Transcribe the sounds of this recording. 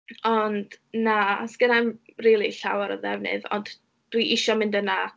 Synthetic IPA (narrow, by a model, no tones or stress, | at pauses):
ɔnd̥naasɡ̥ənamriːlˠiɬawaɾɔðɛvnɨ̰ðɔ̰nd | d̥wiʔɪʃɔmɪndəna